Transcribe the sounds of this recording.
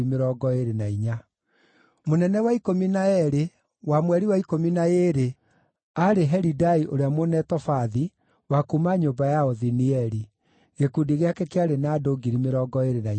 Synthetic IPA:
imeɾɔːɡɔeɾenaiɲa | monɛnɛwaikominaɛɾe | wamwɛɾiwaikominaeːɾe | aɾeɦɛɾidaiʔoɾeamonɛtɔfaði | wakumaɲoːmbajaɔðiniɛɾi | ɣekudiɣeakɛkeaɾenaːdoɡiɾimeɾɔɡɔeɾenai

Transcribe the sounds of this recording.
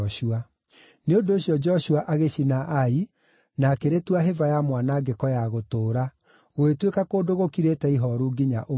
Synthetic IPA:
ʃua | neondoːɕjɔd͡ʒɔʃuaʔaɣeʃinaʔai | nakeɾetwaɦevajamwanaɡekɔjaɣotoːɾa | ɣoetwekakoːdoɣokiɾetɛiɦɔɾuɡiɲa̰ʔo

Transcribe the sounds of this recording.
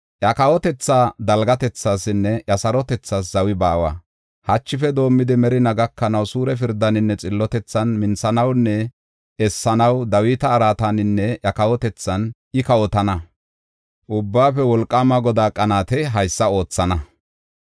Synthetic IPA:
ʔjɐkɐwɔt̪ɛt͡sːaːd̪ɐlɡɐt̪ɛt͡sːaːsɪnːɛʔɐsɐɾɔt̪ɛt͡sːaːs̬zɐwɪbaːwa̰ː | hɐt͡ʃːɪfɛd̪o̞ːmːɪd̪ɪmɛɾɪnɐɡɐkːɐnɐwsuːɾɛfɪɾd̪ːɐnɪnːɛt͡sʼɪlːɔt̪ɛt͡sːɐnmɪnsɐnɐwnːɛ | ʔɛsːɐnɐwd̪ɐwiːt̪ɐːɾaːt̪anɪnːɛjɐkɐwɔt̪ɛt͡sːɐnʔɪkɐwɔt̪ɐnɐ | ʔʊbːaːfɛwɔlkʼːamɐɡɔd̪aːkʼːɐnaːt̪ɛɦɐjsːɐo̞ːt͡sːɐnɐ

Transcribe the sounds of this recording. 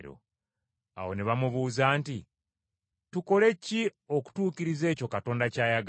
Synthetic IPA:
ɾo̰ | a̰wo̞neβamuβuːzaːnti | tuko̞le̞cio̞ku̥tuːkiɾize̞ːco̞kato̞ːndacaːjaɡ

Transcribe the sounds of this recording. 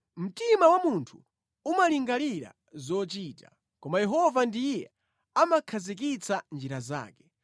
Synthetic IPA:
m̩timawamuntʰu̥ | umaliŋɡaliɾa̰ | zɔt͡ʃiːtḁ | kɔmajɛɦɔvandijɛ | amakʰazik̬it͡sʰand͡ʒiɾaza̰ːkɛ̥

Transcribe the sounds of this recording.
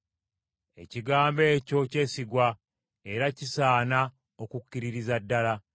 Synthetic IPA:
e̞̰ciɡaːmbe̞ːco̞ce̞ːsiɡwa | e̞ɾacisaːna | okukːiɾiɾizadːala

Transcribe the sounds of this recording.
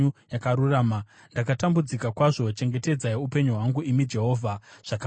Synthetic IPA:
ujakaɾuraːma | ndakatambud͡zikakwaʐo̞t͡ʃe̞ŋɡe̞te̞d͡zaeupe̞ɲuɦwaŋɡuʔimid͡ʒe̞ɦo̞ːvʱaʐ̥ak

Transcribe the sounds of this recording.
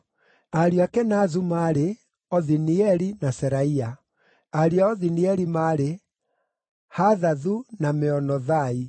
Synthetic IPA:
aɾiakɛnazumaːɾe | ɔðiniɛɾinasɛɾaia | aɾiaɔðiniɛɾimaːɾe | haðaðunameɔnɔðai

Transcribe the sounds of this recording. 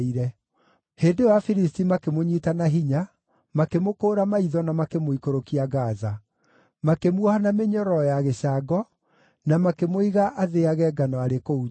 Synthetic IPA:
iɾɛ | heːndewafiɾistimakemoɲitanaɦiɲa | makemokoːɾamaiðɔnamakemoikoɾokiaɣaza | makemwɔhanameɲɔɾɔjaɣeɕaɡɔ | namakemoiɣaʔaðeaɣɛɡanɔaɾekou

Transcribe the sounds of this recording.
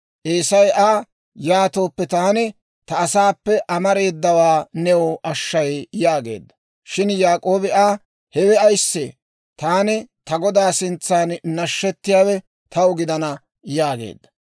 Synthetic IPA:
ʔeːsɐjʔaː | jaːt̪o̞ːpːɛt̪aːnɪ | t̪ɐːsaːpːɛʔɐmɐɾe̞ːd̪ːɐwaːnɛwʊʔɐʃːɐjjaːɡe̞̰ːd̪ːɐ̥ | ʃɪnjaːkʼo̞ːbɪʔaː | hɛwɛɐjsːe | t̪aːnɪt̪ɐɡɔd̪aːsɪnt͡sːaːnnɐʃːɛt̪ːɪjaːwɛ | t̪ʰɐwʊɡɪd̪ɐnɐ | jaːɡḛːd̪ːɐ̥

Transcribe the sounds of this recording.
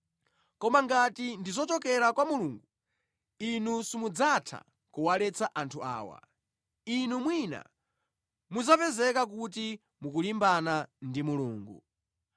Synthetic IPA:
kɔmaŋɡatindizɔt͡ʃɔkɛɾakwamuluːŋɡu | inusimud͡zatʰa̰ | kuwalɛt͡saʔantʰua̰ːwa̰ | inumwina̰ | muzapɛzɛkak̬ut̬i | mukulimbanandimuluːŋɡṵ

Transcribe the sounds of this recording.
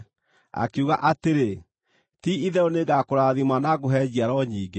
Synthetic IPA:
a̰keuɣaʔateɾe | tiiðɛoneɡakoɾaðimanaɣoɦɛd͡ʑiaɾɔɲiːɡe

